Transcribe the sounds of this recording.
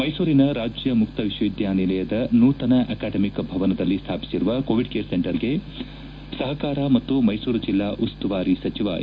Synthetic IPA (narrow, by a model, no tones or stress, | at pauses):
mɐjsuːɾinɐɾaːd͡ʒjɐmukt̪ɐʋiʃʋɐid̪jaːnilɐjɐd̪ɐnuːt̪ɐnɐʔɐkaːɖɐmikɐbʱɐʋɐnɐd̪ɐlːist̪ʰaːpi̥siɾuʋɐkoːʋiɖkeːɾseɳʈɐɾɡe̞ | sɐɦɐkaːɾaːmɐt̪ːumɐjsuːɾɐd͡ʒilːaːʔust̪uʋaːɾisɐt͡ʃiʋa̰ː